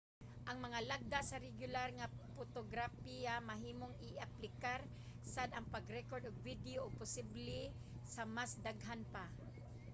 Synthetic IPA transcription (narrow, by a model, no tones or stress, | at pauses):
ʔaŋmɐŋalaɡ̚d̪aʔsaɾɪɡjʊlaɾŋapot̪oɡɾafijamaɦiːmoŋɪaplɪkaɾ | sad̪aŋpaɡɾɛkoɾd̪ʊɡ̚vid̪ɪoːɡ̚pʊsɪblɪ | samasd̪aɡɦanpa